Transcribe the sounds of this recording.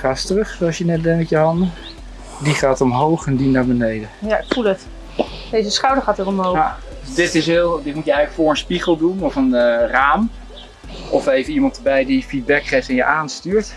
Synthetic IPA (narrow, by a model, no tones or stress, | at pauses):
χaːstrɵχsowɑsjənɛt̚dɛmɛtjəɦɑndə | diχaːtɔmɦowχɛndinaːɹbənejdəjaɪkfulˠət | dejzəsχɑwdəɹχaːtərɔmɦow | dɪtɪsɪlˠdɪtmutjəɛχələkfʊːɹənspiχəlˠdunɔfənraːm | ʔɔfejvənimɑntəbɛjdifid̚bɛkχejftɛnjəʔaːnstyːɹt